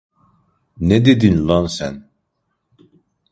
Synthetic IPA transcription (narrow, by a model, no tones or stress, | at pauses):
ned̪ed̪inlɑnsæn